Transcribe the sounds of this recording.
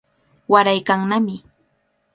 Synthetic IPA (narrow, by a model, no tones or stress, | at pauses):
waɾajkaŋnamɪ